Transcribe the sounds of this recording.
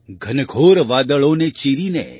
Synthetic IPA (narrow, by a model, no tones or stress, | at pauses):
ɡʱɐnəɡʰʱoːɾʋaːd̪əɭõːnet͡ʃiːɾiːnḛː